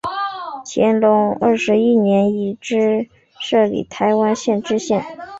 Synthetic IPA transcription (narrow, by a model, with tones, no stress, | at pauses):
t͡ɕʰjɛ̰˧˥nlʊ˧˥ŋə˥˩ʂɻ̩˧˥i˥njɛ˧˥ni˧˥˩ʈ͡ʂɻ̩˥ | ʂɤ˥˩lḭ˨˩t̪ʰa˧˥ɪwa˥nɕjɛ˥˧nʈ͡ʂɻ̩˥ɕjɛ˥˩n